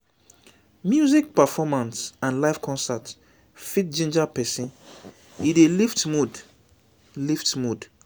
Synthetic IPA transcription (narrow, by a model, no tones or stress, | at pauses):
mjuzik̚pɛfɔmãnsãnlajfkʰɔ̃nsɛt | fit̚d͡ʒĩnd͡ʒapɛsĩn | ideliftmud | liftmud